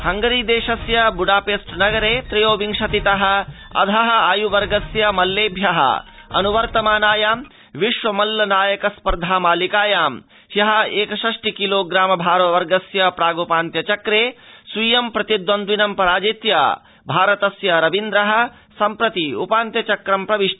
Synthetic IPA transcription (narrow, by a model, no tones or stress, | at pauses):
hɐŋɡɐɾiːd̪eːʃɐsjɐbuɖaːpeːsʈnɐɡɐɾeːt̪ɾɐjoːʋiŋʂɐt̪it̪ɐɦɐ̆ | ɐ̰d̪ʱɐɦɐaːjuʋɐɾɡɐsjɐmɐlːeːbʱjɐɦɐ̰ɐ̰nuʋɐɾt̪ɐmaːnaːjaːm | ʋiʃʋɐmɐlːɐnaːjɐkɐspɐɾd̪ʱaːmaːlikaːjaːm | hjɐɦɐeːkɐʃɐʂʈikiloːɡɾaːmɐbʱaːɾʋɐʋɐɾɡɐsjɐpɾaːɡopaːnt̪jɐt͡ʃɐkɾeːsʋijɐmpɾɐt̪id̪wɐnd̪ʋinɐmpɐɾaːd͡ʒit̪jɐ̰ | bʱaːɾɐt̪ɐsjɐɾɐʋind̪ɾɐɦɐ̆ | sɐmpɾɐt̪iṵpaːnt̪jɐt͡ʃɐkɾɐmpɾɐʋiʂʈɐ